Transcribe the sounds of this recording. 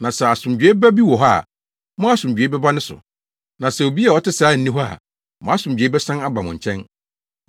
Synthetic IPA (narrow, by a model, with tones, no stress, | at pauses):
nã˨sɛ˨a˨sʊ̃˨md͡ʑᶣe˦bæ˦bi˦wɔ˨ɦɔ˦a̰˨ | mʊ̃˦a˦sʊ̃˨d͡ʑᶣe˨˦bɛ˦ba˦nɪ̃˦sʊ̰˨ | nã˨sɛ˨o˨bi˦a˨ɔ˦tɪ˦saː˨˦˨n̩˨nĩ˦ɦɔ˦a̰˨ | mɔ̃˦a˦sʊ̃˨md͡ʑᶣe˨˦bɛ˦sã˦na˦ba˨mʊ̃˨ɲ̩˨t͡ɕʰɛ̃˦n